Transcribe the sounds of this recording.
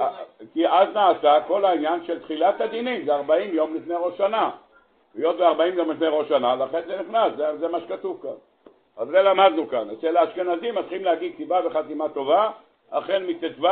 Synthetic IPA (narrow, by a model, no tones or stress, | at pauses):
kiʔaznaːsako̞lainjanʃelt̪χilat̪ad̪inimzeaʁbaimjo̞mlifnejʁo̞ʃana | lijot̪̚beaʁbaimjo̞mlifnejʁo̞ʃanalaχenzeniχnaszezemaʃe̥kat̪uvkan | azʁelamad̪nukanaseleaʃkenazimat͡sχimleaɡid̪̚t̪ibaveχat̪imat̪o̞va | a̰χenmit̪etva